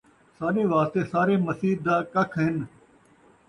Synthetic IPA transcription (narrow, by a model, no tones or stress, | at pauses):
saːɾeːʋaːst̪eːsaːɾeːməsiːd̪aːkəkʰɦɪn